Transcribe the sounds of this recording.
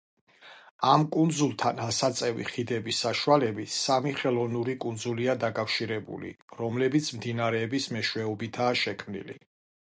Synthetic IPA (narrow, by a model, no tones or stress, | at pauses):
amkʼund̪zulˠt̪ʰanasat̪sʼɛvḭχid̪ɛbisːaʃualɛbisamiχɛlˠɔvnuɾikʼund̪zuliad̪akʼafʃiɾɛbṵlḭɾɔmlɛbit̪sʰmd̪inaɾɛːbismɛʃwɛɔbit̪ʰaːʃɛkʰmnḭlḭ